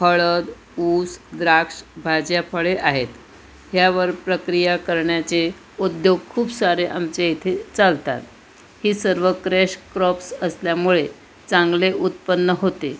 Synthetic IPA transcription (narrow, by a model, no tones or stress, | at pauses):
pʰəɭəd̪ | uːsd̪ɾakʂbʱad͡ʑjapʰəɭeʔaɦet̪ | ɦjaʋəɾpɾəkɾijakəɾɳjat͡se | ud̪joɡ̚kʰuːbsaɾeʔamt͡ɕeit̪ʰet͡salt̪a̰t̪ | hiːsəɾʋəkɾeɕkɾɔpsəsljamuɭe | t͡sãŋɡleʔut̪̚pənːəɦot̪e